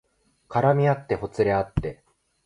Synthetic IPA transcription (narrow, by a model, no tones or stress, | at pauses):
kaɾamʲiat̪ːe̞ho̞t͡sɨɾe̞at̪ːe̞